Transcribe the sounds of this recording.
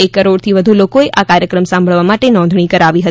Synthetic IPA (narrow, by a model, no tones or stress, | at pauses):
ekːəɾoɽt̪ʰiʋəd̪ʱulokoeʔakaɾjəkɾəmsãmbʱəɭʋamaʈenɔ̃nd̪ʱɳ̃ikəɾaʋiɦət̪